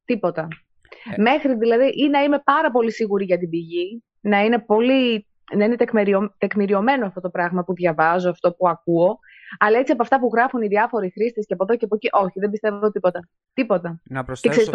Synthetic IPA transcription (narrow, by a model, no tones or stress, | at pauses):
t̪ipo̞t̪ɐ | me̞xɾiðilɐðiʔinɐime̞pɐɾɐpo̞lisiɣuɾiʝɐt̪̬ibiʝi | nɐine̞po̞li | nɐine̞t̪ekmeɾiot̪e̞kmiɾio̞me̞noɐft̪ot̪o̞pɾɐɣmɐpuðʝɐvɐzo̞ɐft̪o̞puɐkuo̞ | ɐlɐe̞t͡siɐp̬oɐft̪ɐpuɣɾɐfuniðiɐfo̞ɾixɾist̪esceɐpoðo̞ceɐpociʔo̞çiðe̞mbist̪e̞vvot̪ipo̞t̪ɐ | t̪ipo̞t̪ɐcekseɾis